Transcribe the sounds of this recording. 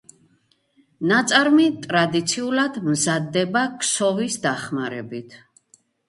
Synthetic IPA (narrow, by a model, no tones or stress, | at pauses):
nat̪sʼaɾmit̪ʼɾad̪it̪sʰiulad̪mzad̪ːɛbakʰsɔvisd̪aχmaɾɛbit̪ʰ